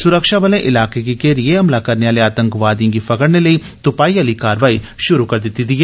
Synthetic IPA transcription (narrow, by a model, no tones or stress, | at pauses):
sʊɾəkʃabəlẽʔɪlaːkek̬ikeɾieɦɐmlakɐɾneaːleaːt̪ə̃ŋkʋaːd̪ijãɡipʰɐkəɽneləi | t̪ʊpaːiaːlikaːɾʋaːiʃʊɾukɐɾd̪ɪt̪ːit̪iɦɛː